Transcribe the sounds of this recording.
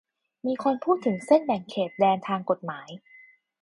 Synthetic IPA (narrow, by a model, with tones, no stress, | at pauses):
miː˧kʰo˧npʰuː˥˩t̪ʰːɯ˩˦ŋse˥˩nbɛ˨˩ŋkʰeː˨˩t̪̚dɛː˧nt̪ʰaː˧ŋko˨˩t̪̚maː˩˦j